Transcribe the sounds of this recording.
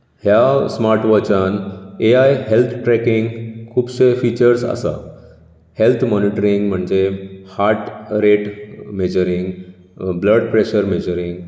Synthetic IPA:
hjasmaɾʈʋɔt͡ɕaneajɦelt̪ʰʈɾɛkiŋɡkʰuːbɕefit͡ɕəɾsa̰sa̰ | helt̪ʰmɔniʈəɾiŋɡm̤əɳd͡zehaɾʈ̪ɾeʈmed͡ʑəɾiŋɡ | bləɖpɾeɕəɾmed͡ʑəɾiŋɡ

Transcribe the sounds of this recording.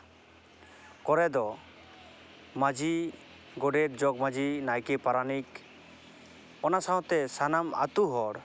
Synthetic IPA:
kɔɾɛd̪ɔ | mad͡ʒi | ɡɔɖɛɾd͡ʒɔɡ̚mad͡ʒinajkɛpaɾanik | ɔnasaɦɔ̃t̪ɛsanama̰t̪uɦɔɽ

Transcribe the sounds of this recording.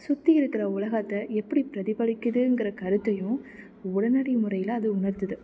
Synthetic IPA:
sʊt̪ːɪɪɾɯkːɪɾɐʊlɐɣɐt̪ːɐɛpːɐɽipɪɾɐðɪbɐɭɪkːɯðɯɛŋɡɪɾɐkɐɾɯt̪ːɐjʊ̃ | ʊɽɐnɐɽimʊrɐjɪlɐːðɯʊɳɐɾt̪ɯðɯ

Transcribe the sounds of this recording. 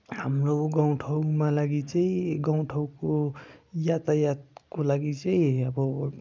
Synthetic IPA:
hamɾoɡãw̃ʈʰʌwmãlaɡit͡saĩɡaw̃ʈʰawkojat̪ajat̪̚kolaɡit͡saĩʌbʌ

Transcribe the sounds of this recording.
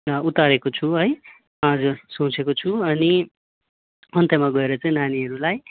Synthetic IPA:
ut̪aɾekot͡sʰuɦʌj | ʌd͡zursũt͡sʰekot͡sʰuʌni | ʌnt̪jʌmaɡʌeɾʌt͡sãĩnaniɦʌɾulaj

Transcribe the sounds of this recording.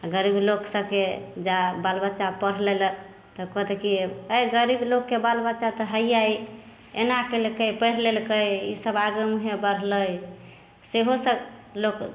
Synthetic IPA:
aɡəɾibloksəb̚ked͡ʒabalbət͡ʃapəɾ̤lelə | t̪əkɔd̪ekiəjɡəɾiblokːebalbət͡ʃat̪ɔɦəjjai | enakelkəjpəɾlelkəjisəbaɡəmɦebəɾ̤ləj | seɦosə | lok

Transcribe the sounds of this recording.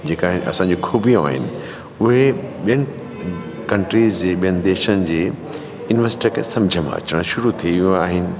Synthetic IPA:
d͡ʑeːkaːɦɪnɪʔɐ̰sãːɲd͡ʑoxʰuːbijũa̰ːɦɪ̰nɪ̆ | ʊɦeɓijəñɪ | kɐ̃ɳʈɾiːzd͡ʑeːɓijənɪ̆d̪eːʃənɪ̆d͡ʑeː | jʊnɪʋəsʈikʰḛsɐ̃md͡ʑʱəmã̰ɐ̰t͡ɕəɽ̃ʃʊɾut̪ʰiʋiũaːɦɪnɪ̆

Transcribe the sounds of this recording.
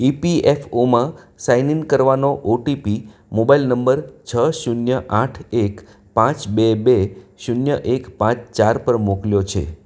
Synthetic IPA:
ipiefomã | sainiŋɡkəɾʋanoʔoʈipi | mobailnəmbəɾt͡ʃʰəʃunjəʔaʈʰek | pãt͡ʃbebeʃunjəʔekpãt͡ʃt͡ʃaɾpəɾmokljot͡ʃʰḛ

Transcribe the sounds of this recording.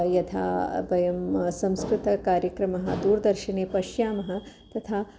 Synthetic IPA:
jɐt̪ʰa̰ːbɐjɐmsɐ̃mskɾɪt̪ɐkaːɾjɐkɾɐmɐɦɐ̰d̪uːɾd̪ɐɾʃɐneːpɐʃjaːmɐɦɐ̆ | t̪ɐt̪ʰaː

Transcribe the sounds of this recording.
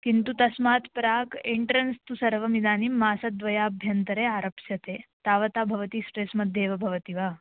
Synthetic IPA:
kint̪ut̪ɐsmaːt̪pɾaːkeɳʈɾɐnst̪usɐɾʋɐmid̪aːnimːaːsɐd̪ʋɐjaːbʱjɐnt̪ɐɾeːaːɾɐpʃjɐt̪ʰeːt̪aːʋɐt̪aːbʱɐʋɐt̪isʈɾeːsmɐd̪eːʋɐbʱɐʋɐt̪iʋaː

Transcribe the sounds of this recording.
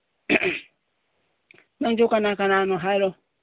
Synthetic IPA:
nãŋd͡ʒokanãkanãnõɦaiɾo

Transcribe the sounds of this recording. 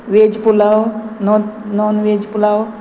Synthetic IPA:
ʋeːd͡ʒipulawnononʋeːd͡ʒipulaw

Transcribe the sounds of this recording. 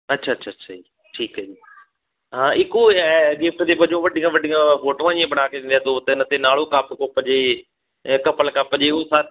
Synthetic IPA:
ɐtːʃʰaɐtːʃʰaɐtːʃʰa̰i | ʈʰiːkɐiː | ɦãːɪkoɡɪfʈt̪ebɐd͡ʒõʋɐɗʱijãʋɐɗijãfoːʈʋãd͡ʑijẽbɐɽ̤aːkʰeĩːnd̪iat̪ot̪ɐɪnət̪enaːɭ̤okaːpkoːpəd͡ʑeː | kɐpəlkapəd͡ʑeosaː

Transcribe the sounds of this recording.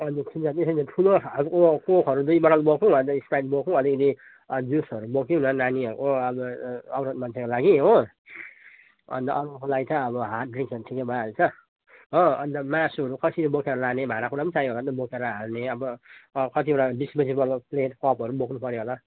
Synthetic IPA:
ʌnd͡zusʰind͡zat̪esʌlepʰuloʌɾukokokʰʌɾud̪ujbʌɾalubokʰũʌnd̪ʌispajdbokʰũʌlikʌd̪i | d͡ʒusʌɾubokʰjonʌnaniʌɾukoʌbʌʌbɾʌd̪mʌnsʰekolaɡiɦõ | ʌ̰nd̪ʌ̰ʔʌɾʌkolaɡit̪ʰʌ̃ʌbʌɦat̚driŋksʌɾuʈʰikebʱaʌet͡sʰʌ | ɦoʌnd̪ʌmasuʌɾukʌsʰilbokʰeɾʌlanebʱaɾakuɾapʌnit͡sajɦolant̪ʌbokʰeɾʌɦalneʌbʌkʌt̪iʌɾabispesibʌlpleʈkɔpɦʌɾubokʰnupʌɾjɦola

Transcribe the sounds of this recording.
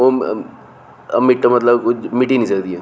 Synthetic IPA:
o | ə̰miʈːəmət̪ləbkut͡ʃʰmiʈĩnĩsəkd̪ieː

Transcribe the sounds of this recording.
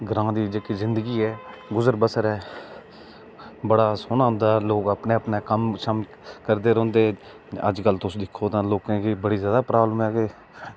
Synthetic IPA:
ɡəɾãːd̪iːd͡ʒeːkiːzɪnd̪əɡiːɛːɡʊzəɾbəsəɾɛː | bəɽaːsʊnãːʊnd̪aːloːkəpneːəpnaːkəmʃam | kəɾd̪eːɾõːnd̪eː | ə̰d͡ʒkəlt̪ʊsd̪ɪkʰːoːt̪ãːloːkãːkiːbəɽiːzjaːd̪aːpɾaːbləmɛːke

